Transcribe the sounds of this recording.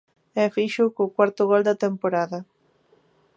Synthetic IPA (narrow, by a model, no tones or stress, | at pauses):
ɛfiʃʊkokwaɾt̪ʊɣɔld̪ɐt̪empoɾaðɐ